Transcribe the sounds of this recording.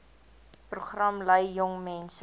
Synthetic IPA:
pruχrɐmləjːɔŋmɛns

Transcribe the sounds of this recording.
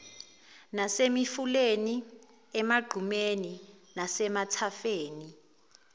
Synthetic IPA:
nasemifuleni | ɛmaɡ͡ǃʱumeni | nasɛmatʰafeːni

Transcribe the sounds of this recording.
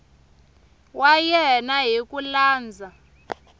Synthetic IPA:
wajɛnaɦikʼulaːnd͡zʱa

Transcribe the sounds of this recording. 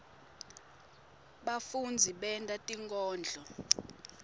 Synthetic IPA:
ɓafund͡zʱiɓɛntʼatʼiŋkʼɔːnd͡ɮʱɔ

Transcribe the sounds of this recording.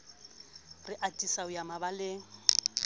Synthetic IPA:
rɪʔatʼisaʊjamabalɪ

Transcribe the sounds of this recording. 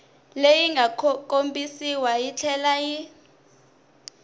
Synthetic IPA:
lejiŋɡʱakʼombisiwajit͡ɬʰɛlaji

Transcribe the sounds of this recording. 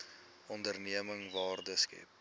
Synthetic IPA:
ɔndərniəməŋvɑːrdəskɛ̰p̚

